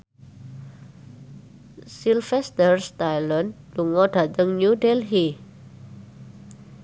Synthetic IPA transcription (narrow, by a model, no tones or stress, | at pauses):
silfɛst̪ərst̪ajlən | luŋɔɖ̥a̤t̪əŋnudɛlɦi